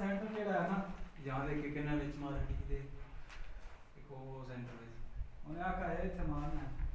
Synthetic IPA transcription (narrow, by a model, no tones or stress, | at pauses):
sɛ̃ːɳʈəɾd͡ʒeːɽaːɦɛːnaːd͡ʒəãːd̪eːkɪkɪnãːʋɪt͡ʃmãːɾəʈiːd̪eː | ɪkoːoːsɛ̃ːɳʈəɾʋɪt͡ʃonẽːaːkaːaɪt̪ʰːemaːnɛː